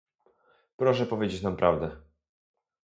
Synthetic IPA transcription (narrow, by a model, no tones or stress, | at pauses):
pɾɔʂɛpɔvʲjed͡ʑet͡ɕnampɾʔavd̪ɛ